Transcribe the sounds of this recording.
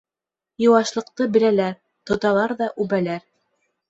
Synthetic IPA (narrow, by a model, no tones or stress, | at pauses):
jŏwɑʃlˠɤ̆q̚t̪ɤbɘ̆ɾælæɾ | t̪ŏt̪ɑlˠɑɾðɑʔʉβælæɾ